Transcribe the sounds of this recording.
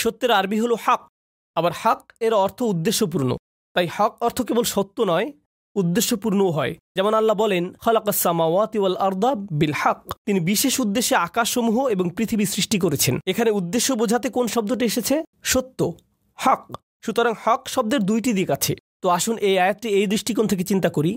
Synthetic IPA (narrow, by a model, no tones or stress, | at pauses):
ʃot̪ːeɾaɾbiɦoloħaq | abaɾhaqeɾɔɾt̪ʰoud̪ːeʃːopuɾno̰ | t̪ajhaqɔɾt̪ʰokebolʃot̪ːonɔe | ud̪ːeʃːopuɾnooɦɔed͡ʑɛmonalːabɔlenxalaqasːamaːwaːt̪walʔɑɾd̪ˤɑbilħaqːt̪inibiʃeʃud̪ːeʃːeakaʃːomuɦoeboŋpɾit̪ʰibisɾiʃʈik̬oɾet͡ɕʰenekʰaneud̪ːeʃːobod͡ʑʱat̪ekonʃɔb̚d̪oʈieʃet͡ɕʰeʃot̪ːo | haq | ʃut̪oɾaŋhaqʃɔb̚d̪eɾd̪ujʈid̪iekat͡ɕʰḛt̪oaʃunʔejajat̪̚ʈiejd̪ɾiʃʈikont̪ʰek̬et͡ɕint̪akoɾi